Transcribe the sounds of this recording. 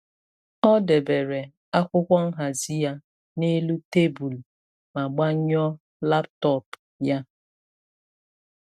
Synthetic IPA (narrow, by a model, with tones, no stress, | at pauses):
ɔ˦de˨be˨ɾe˨ | a˦kʷʊ˦kʷɔ˦ŋ̩˦ɦa˨zi˦ja˦ | ne˦lu˦te˦bu˨l | ma˨ɡ͡ba˦ɲɔ˦ | la˦ptɔ˦˨p | ja˦